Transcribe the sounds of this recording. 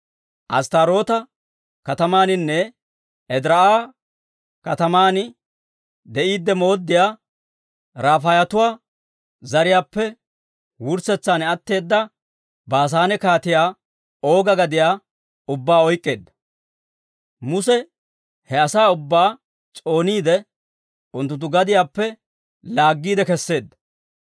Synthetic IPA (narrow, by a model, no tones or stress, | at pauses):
ʔɐ̰st̪aːɾo̞ːt̪ɐ | kɐt̪ɐmaːnɪnːɛ | ɛd̪ɪɾɐaː | kɐt̪ɐmaːnɪ | d̪ɛʔiːd̪ːɛmo̞ːd̪ːɪjaː | ɾaːfɐjɐt̪ʊwaː | zɐɾɪjaːpːɛ | wʊɾsɛt͡sːaːnɛɐt̪ːe̞ːd̪ːɐ | baːs̬aːnɛkaːt̪ɪjaː | o̞ːɡɐɡɐd̪ɪjaː | ʊbːaːɔjkʼːe̞ːd̪ːɐ̥ | mʊsɛ | hɛɐsaːʊbːaː | t͡sʼo̞ːniːd̪ɛ | ʊnt̪ːʊt̪̬ːʊɡɐd̪ɪjaːpːɛ | laːɡːiːd̪ɛkɛsːe̞ːd̪ːɐ̥